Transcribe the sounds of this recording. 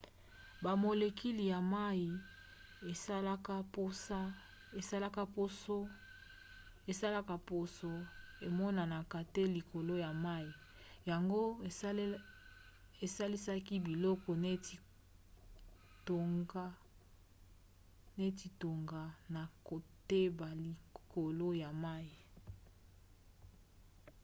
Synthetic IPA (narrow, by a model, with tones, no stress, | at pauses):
ba˨mo˨le˨ki˦li˨ja˨ma˦i˨ | e˨˦lka˦po˦sa˦ | e˨sa˦la˦ka˦po˦so˦ | e˨sa˦la˦ka˦˨po˨so˦e˨mɔ˦na˨na˨ka˨te˦li˨kʰo˨lo˦ja˨ma˦ji˨ | ja˨ŋɡo˦ | e˨sa˦li˦sa˦ki˦bi˨lɔ˦kɔ˨ne˦˨ | to˨ŋɡa˦ | ne˦ti˨to˨ŋɡa˨na˨ko˨te˦ba˨li˨ko˨lo˦ja˨ma˦i˨